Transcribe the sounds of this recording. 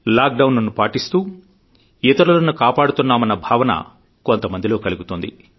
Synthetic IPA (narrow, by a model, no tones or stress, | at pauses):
laːk̚ɖɐwnɐnupaːʈist̪uː | it̪ɐɾulɐnukaːpaːɽut̪unːaːmɐnːɐbʱaːʋɐnɐ̰ | ko̞nt̪ɐmɐnd̪ilo̞ːkɐluɡut̪ond̪ḭ